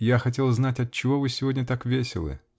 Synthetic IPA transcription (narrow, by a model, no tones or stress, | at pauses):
jaxɐtʲe̞lˠznatʲɐt̪̚t͡ɕːɪvo̞vɨsʲɪvo̞dʲnʲət̪akvʲesʲɪlˠɨ̰